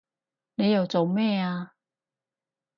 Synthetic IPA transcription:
ne˨˧jɐ˨wt͡so˨wmɛː˥˩aː˧

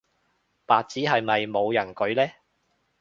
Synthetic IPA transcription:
paː˨t̚t͡siː˨˥ɦɐ˨jmɐ˨jmo˨˧wjɐ˨˩nkɵ˨˧ɥlɛː˥

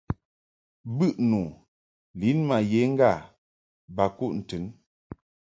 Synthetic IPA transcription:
bɨ˦ʔnu˨ | li˨˦nma˨je˨˦ŋ̩˦ɡa˦˨ | ba˨ku˦˨ʔn̩˨tɨ˨˦n

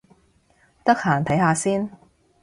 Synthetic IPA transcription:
t̪ɐ˥k̚haː˨˩nt̪ʰɐ˨˥jhaː˧siː˥n

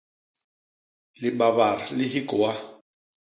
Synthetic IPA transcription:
lɪ˨ba˨βa˨ra˨lɪ˦ɦi˦kʼɔ˨wa˦

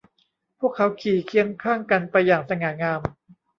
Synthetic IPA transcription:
pʰu˥˩əkʰːa˦˥wkʰiː˨˩˦kʰi˥˩əŋkʰaː˥˩ŋka˧npa˧jːaː˨˩ŋsa˧ŋaː˨˩ŋaː˧m

